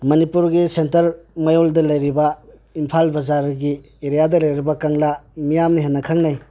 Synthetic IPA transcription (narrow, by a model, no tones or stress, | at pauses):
mɐnipuɾɡisentɐɾmajoldɐlɐjɾiba | impʰalbɐzaɾɡi | eɾijadɐlɐjɾibakaŋlamijamniɦenːɐkʰaŋnaj